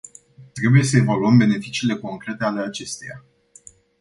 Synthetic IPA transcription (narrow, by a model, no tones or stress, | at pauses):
t̪ɾe̞buje̞səe̞valuəmbe̞ne̞fit͡ʃiːle̞ko̞ŋkɾe̞t̪e̞ale̞at͡ʃe̞st̪eja̰